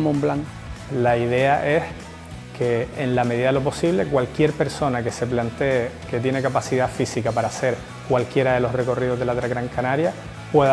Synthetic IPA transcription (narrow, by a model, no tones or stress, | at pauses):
mõmblaŋ | laiðe̞aʔe̞s | kʰe̞ːnlame̞ðiðalo̞p̬o̞siβ̞le̞kwalkje̞ɾpe̞ɾso̞nake̞se̞plant̪e̞eke̞t̪jene̞kapasiðafisikapaɾaːse̞ɾ | kwalkje̞ɾaðe̞lo̞sre̞ko̞rið̞o̞ɦðelat̪ɾaɣɾaŋkanaɾja | pwe̞ð